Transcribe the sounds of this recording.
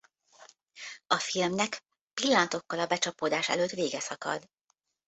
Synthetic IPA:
ɒfilmnɛk | pilːɒnt̪o̞kːɒlɒbɛt͡ʃɒpoːd̪aːʃɛ̰løːt̪ʋeːɡɛsɒkɒ̰d̪

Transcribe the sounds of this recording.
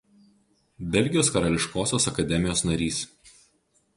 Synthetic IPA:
bʲɛlʲˑɡʲɪjoːskɐɾɐlʲɪʃkoːsʲoːsɐkɐd̪ʲɛmʲɪjoːsnɐɾʲiːs

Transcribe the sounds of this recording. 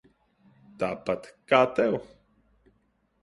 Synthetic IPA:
t̪apat̪kat̪ew

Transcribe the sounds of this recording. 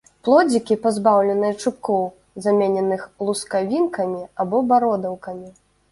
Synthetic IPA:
plˠɔd͡zʲikʲipazbawlʲɛnɨjɐt͡ʂɨp̚kɔw | zamʲenʲɛnɨxlˠuskavʲinkɐmʲiabɔbaɾɔd̪ɐwkɐmʲi

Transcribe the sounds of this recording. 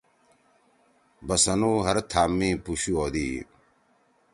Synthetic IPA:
bɐsɐnuːɦɐɾt̪ʰaːmːĩːpuɕuoːd̪iː

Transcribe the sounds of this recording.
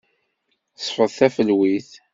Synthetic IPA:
sˤfəðˤθæfəlwiθ

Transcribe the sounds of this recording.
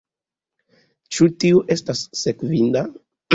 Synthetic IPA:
t͡ʃutiuʔe̞stasːe̞kvinda

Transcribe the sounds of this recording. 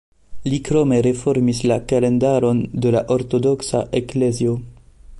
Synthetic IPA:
likɾome̞ɾe̞fo̞ɾmislakale̞ndaɾo̞ndelaʔoɾto̞do̞ksa̰ʔe̞klezio

